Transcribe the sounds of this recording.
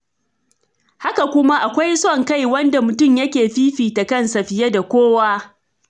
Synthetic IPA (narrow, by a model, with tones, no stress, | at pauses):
ha˦ka˨kʷʊ˦ma˦ʔa˨kʷa˦jsɔ˦˨ŋka˦˨jwɐ˦nda˨mʊ˨tʊ˦˨mjɐ˦kʲeː˨ɸiː˦ɸiː˨ta˨kɐ˦˨nsɐ˨ɸɪ˨je˦da˨kʷoː˦waː˦